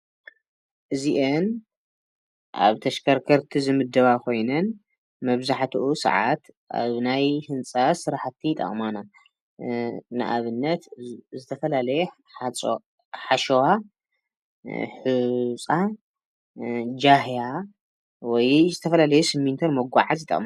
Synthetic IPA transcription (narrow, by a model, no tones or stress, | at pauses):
ʔɨziʔen | ʔa̰βt̪ʰɐʃkʰɐɾkʰɐɾt̪ʰizɨmɨd̪ːɐβakʰo̞jnɐn | mɐβzaħt̪ʰuʔusɐ̰ʕa̰t̪ | ʔa̰βnajhɨnt͡sʼasɨɾaħt̪ʰːit̪ʼɐ̰χʼmana | nɨ̰ʔaβɨnːɐt̪zɨt̪ʰɐfɐlalɐjɛ | ħaʃowa | ħut͡sʼa | d͡ʒaɦja | wɔjzɨt̪ʰɐfɐlalɐjusɨmːint̪ʰonmɐɡʷa̰ʕazjit̪ʼɐ̰χʼma